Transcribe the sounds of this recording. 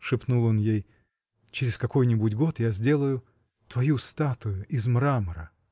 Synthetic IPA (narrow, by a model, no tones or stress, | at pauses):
ʂɨpnulˠo̞njej | t͡ɕɪɾʲɪskɐko̞jnʲɪbudʲɡo̞t̪jazʲdʲe̞lˠəjʊ | t̪vɐjust̪at̪ʊjʊʔɪzmɾamɾə